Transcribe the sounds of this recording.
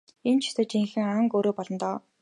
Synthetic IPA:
ent͡ɕʰi̥t̪ə̆t͡ɕiŋxɘ̆ŋaŋkoːɾoːpɔɮɞ̆nt̪ɔː

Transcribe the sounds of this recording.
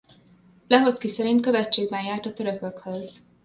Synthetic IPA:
lɛɦotkisɛɾint̪̚kø̞vɛt͡ʃːeːɡbɛnjaːrt̪ɒt̪øɾøkøkhøz

